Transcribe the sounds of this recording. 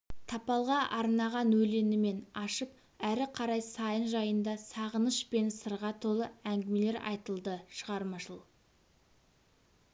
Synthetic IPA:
t̪ʰɑpɑlˠʁɑʔɑɾnɑʁɑnwɵle̞nɪme̞nɑʃəp̚ | æɾɪqʰɑɾɑjsɑjənʒɑjənd̪ɑsɑʁənəʃpe̞nsəɾʁɑt̪ʰo̞lˠəæŋɡʲɪme̞le̞ɾʔɑ̰jt̪əlˠd̪əʃəʁɑɾmɑʃəlˠ

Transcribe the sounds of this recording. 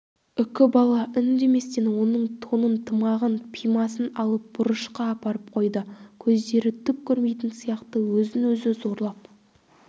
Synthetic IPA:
ʏkʲɪbɑlˠɑʔʏnd̪e̞me̞st̪e̞nwo̞nəɴt̪ʰonənt̪ʰəmɑʁənpʰijmɑs̬ənɑlˠəp̚b̥ʊɾəʃqɑːpɑɾəp̚qʰo̞jd̪əkʲʰɵzd̪e̞ɾɪt̪ʰʏp̚kʲʰɵɾme̞jt̪ɪnsijɑqt̪əwɵzɪnwɵzɪzo̞ɾlˠɑp̚

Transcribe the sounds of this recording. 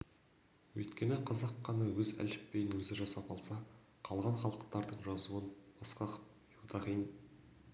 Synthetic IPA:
wɵ̰jt̪kʲe̞nɪqʰɑzɑqʰːɑnɑwɵzæ̰lɪppːe̞jɪnwɵzɪʒɑsɑpɑlˠsɑ | qʰɑlˠʁɑnχɑlˠəqt̪ɑɾd̪əɴʒɑzuənb̥ɑsqɑq | jud̪ɑʁijn

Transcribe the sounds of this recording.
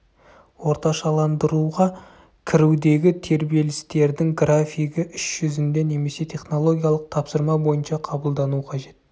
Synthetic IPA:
wo̞ɾt̪ɑʃɑlˠɑnd̪əɾuʁɑ | kʲʰɪɾɪwd̪e̞ɡʲɪt̪ʰe̞ɾbije̞lɪst̪e̞ɾd̪ɪŋɡrafijɡʲɪʔʏʃʒ̥ʏzɪnd̪e̞ne̞me̞se̞t̪ʰe̞χno̞lˠo̞ɡʲijalˠəq̚t̪ʰɑpsəɾmɑbo̞jənʃɑqʰɑbəlˠd̪ɑnuqʰɑʒe̞t̪

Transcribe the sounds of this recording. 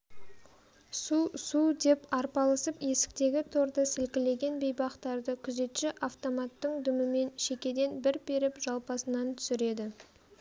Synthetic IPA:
susud̪e̞pɑɾpɑlˠəsəpje̞sɪ̥k̚t̪e̞ɡʲɪt̪ʰo̞ɾd̪əsɪlkʲɪle̞ɡʲe̞nbe̞jbɑqt̪ɑɾd̪əkʲʰʏze̞t̪ʃɪʔaft̪o̞mɑt̪ːəɴd̪ʏmɪme̞nʃe̞kʲe̞d̪e̞nbɪɾbe̞ɾɪpʒ̥ɑlˠpɑsənɑnt̪ʰʏ̥sɪɾe̞d̪ɪ

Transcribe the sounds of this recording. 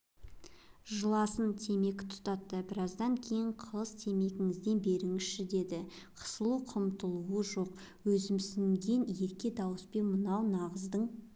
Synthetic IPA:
ʒəlˠɑsənt̪ʰe̞me̞kʲɪ̥t̪ʰʊ̥t̪ɑt̪ːəbɪɾɑzd̪ɑŋkʲʰe̞jɪɴqʰəlˠəst̪ʰe̞me̞ɡʲɪŋɪzd̪e̞nbe̞ɾɪŋɪzʃɪd̪e̞d̪ɪ | qʰə̥səlˠuqʰəmt̪əlˠuəʒo̞q̚ | wɵzɪmsɪŋɡʲe̞nje̞ɾkʲe̞d̪ɑwəspenmənɑwnɑʁəzd̪əɴ

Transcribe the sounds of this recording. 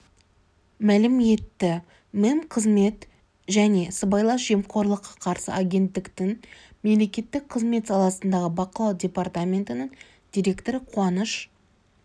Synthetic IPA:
mælɪme̞t̪ːɪ | memqʰəzme̞t̪ | ʒæne̞səbɑjlˠɑʒejmqʰo̞ɾlˠəqʰːɑ̥qʰɑɾsə̰ʔaɡʲe̞nt̪ːɪkt̪ɪŋme̞mle̞kʲe̞t̪ːɪk̚qʰəzme̞t̪sɑlˠɑsənd̪ɑʁəbɑqəlˠɑwdʲe̞part̪amʲe̞nt̪ənɪŋ | d̪̥ʲijɾʲe̞kt̪o̞ɾəqʰwɑnəʃ

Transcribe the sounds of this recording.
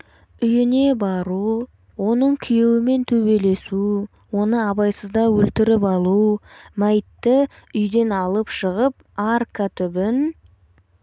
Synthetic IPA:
ʏjɪne̞bɑɾu | wo̞nəɴkʲʰʏje̞wɪme̞nt̪ʰɵβe̞le̞su | wo̞nəɑbɑjsəzd̪ɑwɵlt̪ɪɾɪpɑlˠumæjt̪ːɪ | ʏjd̪e̞nɑlˠəpʃəʁəp̚ | arkat̪ʰʏbɪn

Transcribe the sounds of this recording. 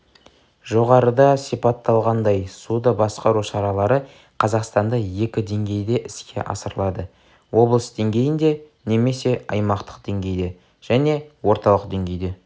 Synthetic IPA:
ʒo̞ʁɑɾəd̪ɑsipɑt̪ːɑlˠʁɑnd̪ɑjsud̪ɑbɑsqɑɾuʃɑɾɑlˠɑɾə | qʰɑzɑqst̪ɑnd̪ɑje̞kʲɪd̪e̞ŋɡʲe̞jd̪e̞ʔɪskʲʰe̞̰ʔɑ̰səɾəlˠɑd̪ə | wo̞blˠəsd̪eŋɡʲe̞jɪnd̪e̞ | ne̞me̞se̞ɑjmɑqt̪ə̥q̚d̪̥e̞ŋɡʲe̞jd̪e̞ | ʒ̥æne̞wo̞ɾt̪ɑlˠəqd̪e̞ŋɡʲe̞jd̪e̞

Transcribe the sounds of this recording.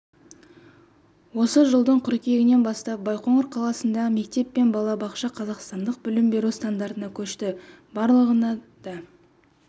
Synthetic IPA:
wo̞səʒəlˠd̪əɴqʰʊɾkʲe̞ɡʲɪne̞nbɑst̪ɑp̚bɑjqoɴəɾqʰɑlˠɑsənd̪ɑʁəme̞kt̪e̞pːe̞nbɑlˠɑbɑqʃɑqʰɑzɑqst̪ɑnd̪əq̚bʏlɪmbe̞ɾust̪and̪aɾt̪ənɑkʲʰɵʃt̪ɪ | bɑɾlˠəʁənɑd̪̥ɑ

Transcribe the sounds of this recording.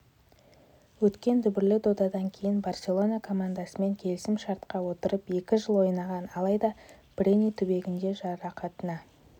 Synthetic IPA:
wɵt̪kʲe̞nd̪ʏbɪɾlɪd̪od̪ɑd̪ɑŋkʲʰe̞jɪnbarsʲe̞lˠo̞nakʰo̞mand̪asəme̞ŋkʲʰe̞lɪsɪmʃɑɾt̪qɑwo̞t̪əɾəpe̞kʲɪʒəlˠwo̞jnɑʁɑnɑlˠɑjd̪ɑ | b̥rʲenʲijt̪ʰʏbe̞ɡʲɪnd̪e̞ʒɑɾɑqʰɑt̪ənɑ

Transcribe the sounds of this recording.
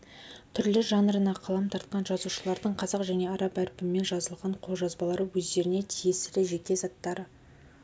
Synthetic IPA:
t̪ʰʏɾlɪʒɑnɾənɑqʰɑlˠɑmt̪ʰɑɾt̪̚qɑnʒɑzuʃəlˠɑɾd̪əɴqʰɑzɑqʒæne̞ɑɾɑpæɾpɪmːe̞nʒɑzəlˠʁɑɴqʰo̞lˠʒɑzbɑlˠɑɾəwɵzd̪e̞ɾɪne̞t̪ʰijesɪɾɪʒe̞k̪ʲe̞zɑt̪ːɑɾə

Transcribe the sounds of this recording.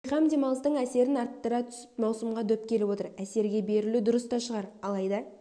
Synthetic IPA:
jʁɑmd̪e̞mɑlˠəst̪əɴæse̞ɾɪnɑɾt̪ːəɾɑt̪ʰʏ̥sɪ̥pmɑwsəmʁɑd̪ɵp̚kʲʰe̞lɪpwo̞t̪əɾæse̞ɾɡʲe̞be̞ɾɪlud̪ʊɾəst̪ɑʃəʁɑɾɑlˠɑjd̪ɑ

